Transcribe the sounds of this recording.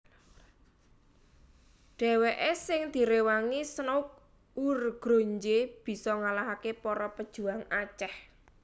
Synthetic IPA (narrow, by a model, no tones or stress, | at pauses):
ɖ̥ɛ̤weʔesɪŋd̪̥i̤ɾewaŋisnoʊk̚ | urɡ̥ɾo̤ɲd͡ʒeb̥i̤sɔŋalaɦakepɔɾɔpəd̥ʒ̥ṳaŋat͡ʃɛh